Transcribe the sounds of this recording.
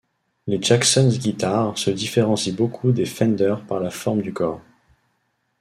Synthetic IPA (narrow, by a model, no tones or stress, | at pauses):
led͡ʒaksɔnzɡʲit̪aʁsəd̪ifeʁɑ̃sibokʰud̪efɛ̃nd̪œʁpaʁlafɔʁmd̪ykɔʁ